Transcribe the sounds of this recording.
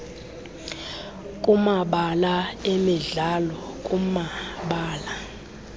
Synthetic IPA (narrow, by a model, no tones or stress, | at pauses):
kʼumaɓalaemiɮalɔkʼumaɓaːla